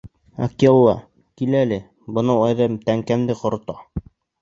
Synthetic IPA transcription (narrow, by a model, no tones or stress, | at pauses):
ɑ̰kolˠːɑ̰ | kilælɘ | bɤ̆nɤɑjðɤmt̪æŋkæmd̪ɘqŏɾt̪ɑ